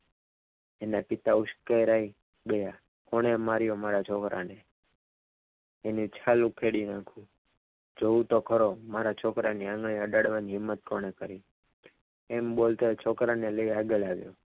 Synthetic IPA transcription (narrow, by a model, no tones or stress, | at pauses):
enapit̪aʊʃkaɾai | ɓeja | koɽ̃emaɾjomaɾat͡ʃʰɔkɾa̰ne | enũt͡ʃʰalũkʰeɽinãkʰũ | d͡ʒoũt̪okʰəɾomaɾat͡ʃʰɔkɾaniãŋɡɭiəɖaɽʋaniɦɪmːət̪̚koɽ̃ekəɾi | embolt̪oet͡ʃʰɔkɾaneləiaɡəlaʋjo̰